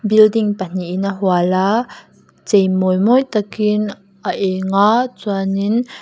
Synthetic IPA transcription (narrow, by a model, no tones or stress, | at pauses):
bildiŋpan̥iʔːnaɦuala | t͡sejmɔjmɔjt̪akin | ʔaʔɛŋat͡suanin